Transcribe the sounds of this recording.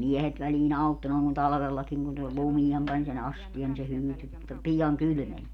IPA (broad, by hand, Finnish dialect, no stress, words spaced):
ne miɛhet ʋæliːn ɑutːo noˑeŋ kun tɑlɑ̆ʋelːɑkiŋ kun se lumiem pɑnʲ sen ɑstiɑn ni se hyːty pijɑŋ kyly̆men